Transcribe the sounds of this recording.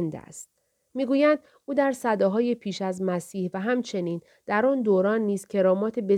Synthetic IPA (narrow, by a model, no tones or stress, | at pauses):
nd̪æ̰st̪ | miːɡuːjænd̪̥ | ʔuːd̪æɾsæd̪ɒːɦɒːje̞pʰiːʃæzmæsiːhvæɦæmt͡ʃʰe̞niːn | d̪̥æɾɔːnd̪oːɾɒːnːiːz̥cʰe̞ɾɒːmɒːt̪ʰe̞be̞